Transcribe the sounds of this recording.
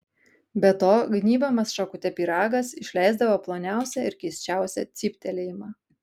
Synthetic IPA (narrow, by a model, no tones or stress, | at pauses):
bʲɛt̪oːɡnʲiːbɐmɐsʃɐkʊt̪ʲɛpʲiːɾɑːɡɐsɪʃʲlʲæˑɪzd̪ɐʋoːplˠoːnʲæˑʊsʲæɪɾkʲɛɪsʲt͡ʃʲæˑʊsʲɛ̰t̪sʲiːpʲt̪ʲɛlʲeːjɪmɑː